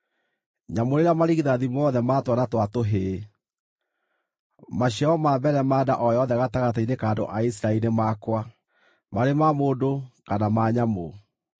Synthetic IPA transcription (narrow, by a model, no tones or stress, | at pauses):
ɲamoɾeɾamaɾiɣiðaðimɔðɛmatwanatwatoɦe | maɕiaɔmaːbɛɾɛmaːdaʔɔjɔðɛɣataɣatainekaːndo̰ʔaisiɾainemakwa | maɾemamoːdokanamaːɲamo